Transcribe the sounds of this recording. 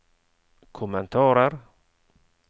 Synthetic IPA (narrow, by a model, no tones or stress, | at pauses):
kʰʊmːɛnt̪ʰɑːɾəɾ